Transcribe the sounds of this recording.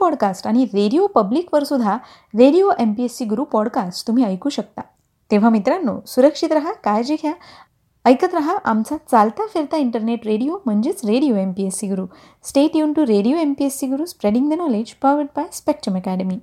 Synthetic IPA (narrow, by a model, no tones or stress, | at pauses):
pɔɽkasʈaɽ̃iɾeɽiopəblikʋəɾsud̪ʱːa | ɾeɽijoʔempiesiɡɾupɔɽkasʈt̪um̤iːəjkuːɕək̚t̪a | t̪eʋ̤amit̪ɾanːo̰suɾəkʂit̪ɾəɦakajd͡ʑeɡʰʱja | əjkət̪ɾəɦaʔamt͡sat͡salt̪afeɾt̪aiɳʈəɾneʈɾeɽijom̤əɳd͡ʑet͡sɾeɽijoempiesiɡɾu | sʈeʈjuɳʈuɾeɽijoempiesiɡuɾuːspɾeɽiŋd̪ənɔled͡ʑpɾɔʋəʈ̚pajspek̚ʈ̪ɾəməkæɽəmiː